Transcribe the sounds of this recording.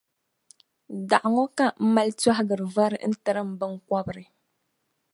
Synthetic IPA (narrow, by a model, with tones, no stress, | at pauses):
da˨ʔa˨ŋɔ˦ka˦m̩˦ma˦lta˦ɦɡɨ˨ɾɨ˨va˦ɾɨ̰˨n̩˦tɨ˨ɾɨ˦m̩˨bɨ˦ŋka˦bɨ˨ɾɨ˨